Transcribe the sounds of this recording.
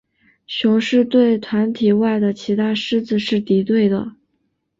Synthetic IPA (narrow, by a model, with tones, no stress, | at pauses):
ɕjʊ˧˥ŋʂɻ̩˥˧t̪we˥˩ɪt̪ʰwa˧˥nt̪ʰi˨˩wa˥˩ɪd̪ə˩t͡ɕʰi˧˥t̪ʰa˥ʂɻ̩˥t͡sɹ̩˧ʂɻ̩˥˩t̪i˧˥t̪we˥˩ɪd̪ə˩